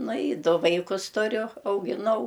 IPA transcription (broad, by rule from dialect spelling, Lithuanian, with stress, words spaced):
ˈnʊ ɪ ˈdʊ ˈʋɐɪkʊs tʊˈrʲʊ ɐʊɡʲɪˈnɐʊ